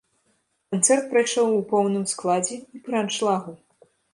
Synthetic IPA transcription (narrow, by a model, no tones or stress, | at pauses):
kant̪sɛrt̪̚pɾajʂɔwupɔwnɨmsklˠad͡zʲɛipɾant͡ʂlˠaɣu